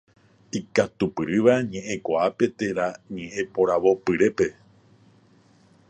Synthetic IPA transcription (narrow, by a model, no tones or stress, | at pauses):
ikat̪upɨɾɨʋaɲẽ̞ʔẽkʷaape̞t̪e̞ɾaɲẽ̞ʔẽpoɾaʋo̞pɨɾe̞pe̞